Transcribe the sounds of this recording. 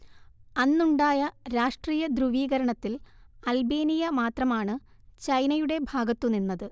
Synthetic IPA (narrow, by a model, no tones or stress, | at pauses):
ɐnːuɳɖaːjɐɾaːʂʈriːjɐd̪ɾuʋiːɣɐɾɐɳɐt̪ːil | ɐlbeːnijɐmaːt̪rɐmaːɳɨ | t͡ɕɐjnɐjuɽe̞bʱaːɡɐt̪ːuninːɐðɨ